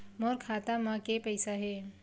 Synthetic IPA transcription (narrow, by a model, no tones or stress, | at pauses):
moːɾkʰaːt̪amãkepəɪsaɦeː